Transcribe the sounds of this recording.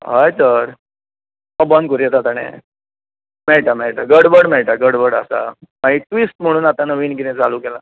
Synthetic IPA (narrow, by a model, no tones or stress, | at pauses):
ɦajsəɾ | məbənd̪̚kəɾijɛt̪at̪aɽ̃ḛ | mɛɭʈamɛɭʈaɡəɽbəɽmɛɭʈaɡəɽbəɽə̰sa̰maɦiʈʋisʈm̤əɽ̃uːnat̪anəʋiːnɡinẽt͡saluːkɛla